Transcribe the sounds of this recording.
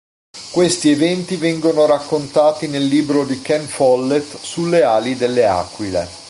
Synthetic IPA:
kwest̪ievɛnt̪ivɛŋɡonoɾakːont̪aːt̪inelːiːbɾod̪ikɛnfɔlːet̪sulːeaːlid̪elːea̰ːkːwilḛ

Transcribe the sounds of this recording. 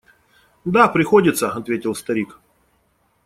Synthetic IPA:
d̪apɾʲɪxodʲɪt̪səɐt̪vʲetʲɪlˠst̪ɐɾʲik

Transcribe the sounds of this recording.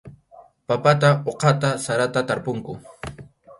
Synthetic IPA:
papat̪aʔoqɑt̪asaɾat̪at̪aɾpʊŋkʊ

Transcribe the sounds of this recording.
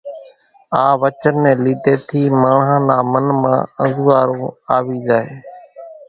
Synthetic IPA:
aːʋət͡ʃənːẽːliːt̪eːt̪ʰiːmaːɳɦãːnaːmənmã̰ːəzuːaːɾõːaːʋiːd͡ʒaːeː

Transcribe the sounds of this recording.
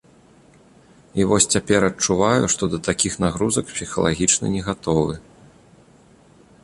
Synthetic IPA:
ivɔsʲt͡sʲapʲɛɾɐt͡ʂuvajuʂt̪ɔd̪ɐt̪akʲixnaɣɾuzɐkpsʲixɐ̰lˠa̰ɣʲit͡ʂnɐ̰nʲɛɣat̪ɔvɨ

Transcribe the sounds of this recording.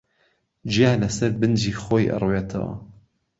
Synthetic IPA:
d͡ʒijaːlɐsɐɾbɨnd͡ʒiːxoːjʔɨ̰rˤuet̪ʰɐ̰w̰

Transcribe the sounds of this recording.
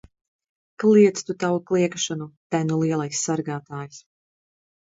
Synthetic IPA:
klˠiɛt̪st̪ut̪avuklˠiɛkʃanut̪ænulˠiɛlˠajsːaɾɡaːt̪aːjs

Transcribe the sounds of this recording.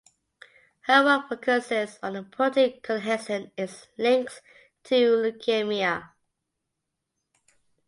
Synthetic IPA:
həwəfokʰəsɪzə̃n̩əpʰɹɔdɪkʰənɦɛsə̃nɪzlɪ̃ŋkθ | tʰulukʰemiə

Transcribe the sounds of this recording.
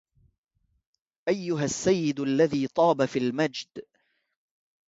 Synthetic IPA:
ʔajːʊɦasːajːɪd̪ʔalːaðiːt̪ˤɑːbafiːlmad͡ʒd̪

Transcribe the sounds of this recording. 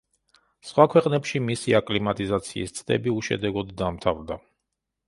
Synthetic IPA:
sχwakʰwɛqʼnɛpʃimisiakʼlimat̪ʼizat̪sʰḭːst̪sʰʼd̪ɛ̰biuʃɛ̰d̪ɛɡɔd̪ːamt̪ʰavd̪a

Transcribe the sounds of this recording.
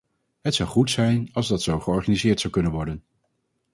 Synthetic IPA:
ɦətsʌwχutsɛjnɑlˠzdɑtsowχəɔɹχanizɪːɹtsʌwkɵnənʋɔɹdən

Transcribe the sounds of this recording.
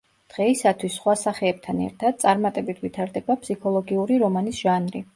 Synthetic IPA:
d̪̥ʁɛisat̪ʰwisːχwasaχɛːb̚t̪ʰanɛ̰ɾt̪ʰad̪̚t̪sʼaɾmat̪ʼɛbit̪ʰvit̪ʰaɾd̪ɛbapsikʰɔlˠɔɡiuɾiɾɔmanisʒ̥anɾi

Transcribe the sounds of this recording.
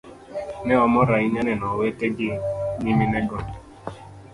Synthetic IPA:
nɛɔmɔɾaiɲanɛnɔweteɡɪmiminɛɡɔn

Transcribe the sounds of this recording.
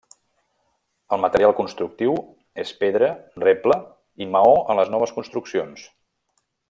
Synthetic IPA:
əlˠmət̪əɾialˠkunst̪ɾuk̚t̪iw | espeðɾərɛplə | iməoənləznɔβ̞əskunst̪ɾuksions

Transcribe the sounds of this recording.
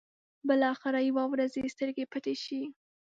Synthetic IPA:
bɪlɑxɪɾɑjwɑwɾazest̪əɾɡepat̪eʃi

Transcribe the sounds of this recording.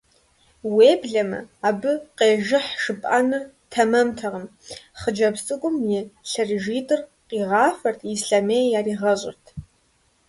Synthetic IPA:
weːbɮɐmɨ̰abɨqʼeːʒɪħʂɨpʼanɨ | tʰɐmɐmtʰaʁəmχəd͡ʒɐbst͡sʼɨkʷʼʊmjiɬɐrʒiːtʼɨrqʼiʁaːfɐrtʰisɬamejjariʁɐɕʼɪ̰rtʰ

